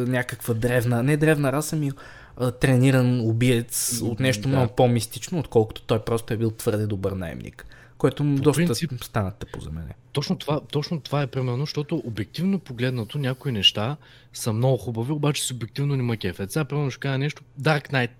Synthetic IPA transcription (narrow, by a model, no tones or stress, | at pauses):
nʲakəkvəd̪ɾɛvnənɛd̪ɾɛvnɐɾasəmi | ət̪ɾɛniɾənobiɛt̪sot̪nɛʃt̪omnoɡʊpomist̪it͡ʃnoːt̪kɔlˠkʊ̥t̪o̥t̪ɔjpɾɔst̪oɛbilˠt̪v̥ɤɾd̪ɛd̪obəɾna̰ɛ̰mnḭk | kɔjt̪od̪ɔsəst̪anɐt̪t̪ːɛpo̰zɐ̰mɛ̰nɛ̰t̪ɔt͡ʃnot̪ovat̪ɔt͡ʃnot̪ovaɛpɾimɛɾnoʃt̪ɔt̪ʊʔobɛk̚t̪ivnopoɡlɛd̪nɐt̪onʲakoinɛʃt̪a | sɐmnɔɡʊxubɐviobat͡ʃɛ̥sʊbɛk̚t̪ivnonʲimɐkʲɛfɛt̪sʲapɾimɛɾnʊʃɛ̥kazɛnɛʃt̪od̪aɾknajt̪